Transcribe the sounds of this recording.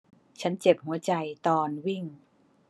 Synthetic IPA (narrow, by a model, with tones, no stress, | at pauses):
t͡ɕʰa˦˥nt͡ɕe˨˩p̚hu˩˦ɐt͡ɕa˧jt̪ɔː˧nwi˥˩ŋ